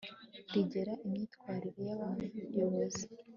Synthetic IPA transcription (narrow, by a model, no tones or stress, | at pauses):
diɟe̞ɾaʔimɲiːtkwaːɾiɾe̞jaβaːnhuuɾjoβoze